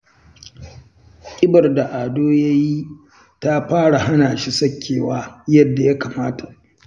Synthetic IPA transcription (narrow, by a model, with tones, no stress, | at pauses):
kʲʼɪ˦bɐ˨rda˨ʔaː˨doː˦ja˦ji˦ | ta˦ɸaː˦ɽa˨ɦa˦naː˨ʃi˦sɐ˦kʲʰːeː˨waː˦jɐ˦dːa˨ja˦kaː˨maː˦tʰa˨ʔ